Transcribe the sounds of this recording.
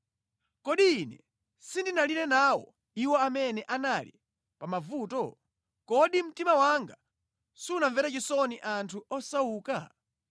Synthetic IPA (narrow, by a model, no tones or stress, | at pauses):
kɔɗiːnɛ̰ | sindinalinɛnawɔ̰ | iwɔamɛnɛʔanalḭ | pamavuːtɔ | kɔɗim̩timawaŋɡa | siunaɱvɛɾat͡ʃisɔniʔantʰuɔsauːka̰